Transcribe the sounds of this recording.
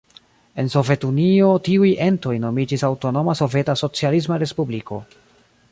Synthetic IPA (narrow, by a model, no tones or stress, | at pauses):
e̞nso̞ve̞tunio̞tiujʔe̞nto̞jno̞mid͡ʒisawto̞no̞maso̞ve̞taso̞t͡sialis̬maɾe̞spubliko̞̰